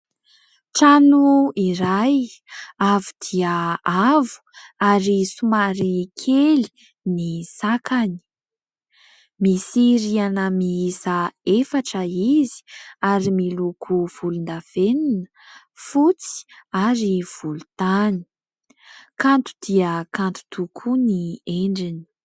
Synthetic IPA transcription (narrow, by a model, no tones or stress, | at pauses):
ʈ͡ʂanuiɾajavud̪̥iəavu̥aɾisumaɾikʰeli̥ | nisakʰani̥ | misiɾianəmiizəefaʈ͡ʂəizi̥aɾimilukʰuv̥ulund̪av̥eninə̥ | fut͡si̥aɾiv̥ulut̪ani̥ | kant̪u̥d̪̥iəkant̪u̥t̪ukʰunieɳɖ͡ʐini̥